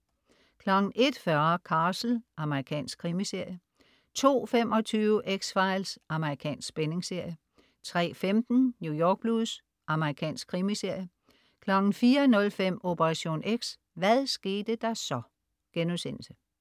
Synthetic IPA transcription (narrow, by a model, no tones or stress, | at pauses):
kʰlɑɡ̥n̩ʔe̝d̥fɶɐkʰɑ̈ːsl̩ʔɑ̈məʁikʰɛ̰ːnsɡ̥̚kʰʁimise̝ɐ̰jə | t͡sʰo̝̰ːfemɒ̽t͡sʰyːʊəʔeɡ̥sfɑ̈ɪlsʔɑ̈məʁikʰɛ̰ːnsɡ̥b̥ene̝ŋse̝ɐ̰jə | t͡sʰʁɛ̰ːfemd̥n̩njujɒːɡ̥̚b̥luðˠs | ʔɑ̈məʁikʰɛ̰ːnsɡ̥kʰʁimise̝ɐ̰jə | kʰlɑɡ̥n̩fiːɐnɔ̽lfem̰o̝pʰəʁɑ̈ɕo̝̰ːneɡ̥s | ʋæðˠsɡ̥e̝ːd̥əd̥ɑ̈sɒ̽ | ɡ̥enusen̰l̩sə